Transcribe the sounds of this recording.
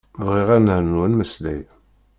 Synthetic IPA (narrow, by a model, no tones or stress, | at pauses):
vʁiʁænəʕnənməslæ̰j